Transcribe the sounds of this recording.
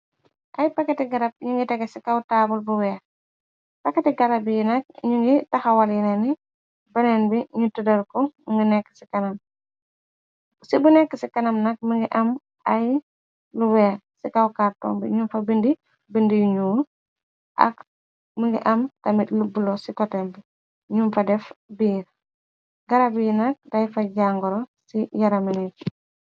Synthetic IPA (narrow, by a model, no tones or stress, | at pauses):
ʔɐjpɐkːɐtiɡɐɾɐp̚ɲuŋɡitɛɡɛsikawtaːbulbuwɛː | pɐkːɐtiɡɐɾɐbijinɐk̚ɲuŋɡitɐxɐwɐljinɛni | bɐnɛnbiɲutudɐlkɔŋɡinɛkːə̥sikɐnɐm | sibunɛkːəsikɐnɐmnɐk̚məŋɡiʔɐm | ʔɐj | luwɛːsikawkaɾtɔ̰ːmbḭɲumfɐbindi | bindijuɲuː | ʔɐ̰k | məŋɡḭʔɐmtɐmitlubulosikɔtembi | ɲumfɐdɛfbiːɾ | ɡɐɾabijinak̚dajfaɟaŋɡɔɾɔsijɐɾɐminik